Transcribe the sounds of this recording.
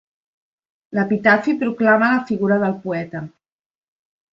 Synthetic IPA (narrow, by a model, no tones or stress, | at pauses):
ləpit̪afipɾuklamələfiɣuɾəðəlˠpuɛt̪ə